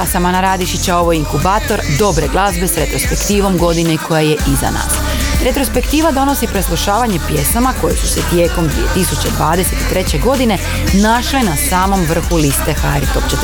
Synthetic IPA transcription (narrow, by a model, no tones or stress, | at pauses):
asamanaɾaːd̪iʃit͡ɕao̞ʋojiŋkubaːt̪o̞ɾd̪o̞bɾe̞ɡlˠazbe̞sɾe̞t̪ɾo̞spe̞kt̪iːʋo̞mɡo̞d̪ineikʰo̞jaje̞ʔiza̰na̰ːs | ɾe̞t̪ɾo̞spe̞kt̪iːʋad̪o̞no̞sipɾeslˠoʃaːʋaɲe̞pje̞snamako̞jesu̥set̪je̞ːko̞md̪ʋḭe̞t̪isut͡ɕe̞d̪ʋaːd̪e̞se̞t̪i̥t̪ɾe̞t͡ɕeɡo̞d̪ine̞ | naʃlenasaːmo̞mʋr̩xulist̪e̞xaeɾt̪o̞pt͡ɕet̪